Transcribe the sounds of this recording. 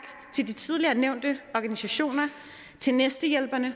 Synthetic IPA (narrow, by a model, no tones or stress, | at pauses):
ɡ̥ | t͡sʰe̝ld̥it͡sʰið̞ˠliɐneʊ̰nd̥əɒɡ̥ænisæɕo̝̰ːnɐ | t͡sʰe̝lnesd̥əjel̰b̥ɐnə